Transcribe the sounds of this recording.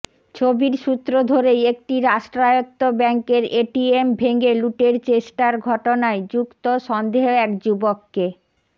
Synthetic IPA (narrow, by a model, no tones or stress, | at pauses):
t͡ɕʰobiɾʃut̪ːɾod̪ʱoɾejek̚ʈiɾaʃʈɾajot̪ːobɛŋkeɾeʈiembʱeŋɡeluʈeɾt͡ɕeʃʈaɾɡʱɔʈonaed͡ʑukt̪oʃɔnd̪eɦoɛkd͡ʑubokːe